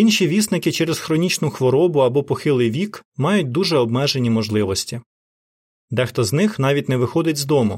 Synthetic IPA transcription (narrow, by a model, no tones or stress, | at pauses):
inʃiʋʲisnɪkɪt͡ʃɛɾezxɾɔnʲit͡ʃnʊxʋɔɾɔbʊɐbɔpɔxɪlˠɪjʋʲikmɑjʊt̚ʲd̪uʒɛɔb̚mɛʒenʲimɔʒlˠɪʋɔsʲtʲi | d̪ɛxt̪ɔznɪxnɑʋʲitʲnɛʋɪxɔd̪ɪtʲzd̪ɔmʊ